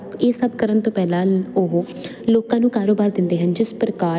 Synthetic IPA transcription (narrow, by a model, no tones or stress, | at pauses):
eːsəbkəɾənt̪õːpɛːlãːoɦ | loːkãːnũːkaːɾoːbaːɾd̪ɪnd̪eːɦənd͡ʒɪspɾəkaː